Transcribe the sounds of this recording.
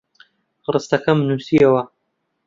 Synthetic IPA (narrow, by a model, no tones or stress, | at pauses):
rɨst̪ɐkɐmnuːsiɐwɐ